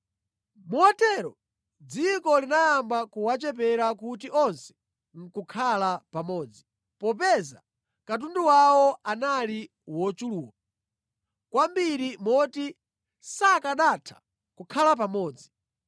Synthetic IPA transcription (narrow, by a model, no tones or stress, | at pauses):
muɔtɛɾɔ | d͡zikɔlinajambakuwat͡ʃɛp̬ɛɾakut̬iʔɔnsɛ̥ | ŋ̩kukʰalapamɔːd͡zi | pɔp̬ɛza | kat̬unduwawɔanali | wɔt͡ʃuluːwa | kwambiɾimɔti | sakaɗatʰḁ | kukʰalap̬amɔːd͡zi